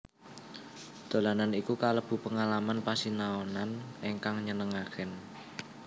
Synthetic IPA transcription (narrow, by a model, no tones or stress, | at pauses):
d̪̥o̤lananikukaləb̥ṳpəŋalamanpasinaonaneŋkaŋɲənəŋakən